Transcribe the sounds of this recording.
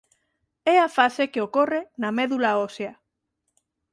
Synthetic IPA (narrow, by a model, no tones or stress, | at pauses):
ɛafasekeokɔrenamɛðulaosea